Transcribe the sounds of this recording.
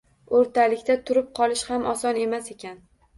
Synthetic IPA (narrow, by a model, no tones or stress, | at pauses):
oɾt̪ʰalɪkʲt̪at̪ʰʊɾɪp̚qʰɒlˠɪʃhamʔɒsɒne̞mase̞kʲan